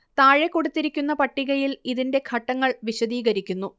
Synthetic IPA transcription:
t̪aːɻekːo̞ɽut̪ːiɾikʲːunːɐpɐʈːiɣɐjiliðinde̞kʰɐʈːɐŋːɐɭʋiɕɐðiːɣɐɾikʲːunːu

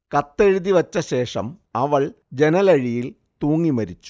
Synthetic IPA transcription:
kɐt̪ːeɻuðiʋɐt͡ɕːɐɕe̞ːʂɐ̰mɐʋɐɭ | d͡ʑe̞nɐlɐɻijil | t̪uːŋːimɐɾit͡ɕːu̥

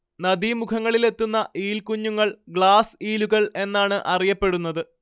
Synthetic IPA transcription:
nɐd̪imukʰɐŋːɐɭile̞t̪ːunːɐʔiːlkuɲːuŋːɐɭɡɭaːsiːluɣɐɭe̞nːaːɳɨʔɐrijɐpːe̞ɽunːɐðɨ

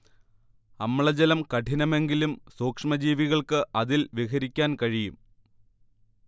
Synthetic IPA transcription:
ɐmːɭɐd͡ʑɐlɐmkɐʈʰinɐme̞ŋɡilumsoːkʂɐmɐd͡ʑiːʋiɣɐɭkɨʔɐðilʋikɐɾikʲːaːnkɐɻijum

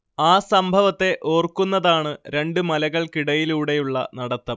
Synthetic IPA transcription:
aːsɐmbʱɐʋɐt̪ːe̞ʔo̞ːrkːunːɐðaːɳɨɾe̞ɳɖɨmɐlɐɣɐɭkiɽɐjiluːɽe̞juɭːɐ̰nɐɽɐt̪ːɐm

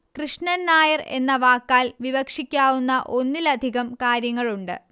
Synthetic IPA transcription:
krɨʂɳɐnːaːjɐre̞̰nːɐʋaːkːaːlʋiʋɐkʂikʲːaːʋunːɐʔo̞nːilɐd̪ʱiɣɐmkaːɾjɐŋːɐɭuɳɖɨ̰

